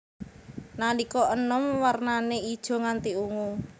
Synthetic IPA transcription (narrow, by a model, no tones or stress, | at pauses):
nalikɔʔənɔmwarnaneid̥ʒ̥ɔ̤ŋant̪iuŋu